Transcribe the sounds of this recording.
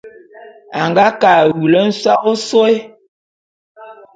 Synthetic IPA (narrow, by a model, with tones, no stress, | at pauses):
a˨ŋɡa˦ka˨wu˨lə˦n̩˦swa˦ʔo˦so˦e˦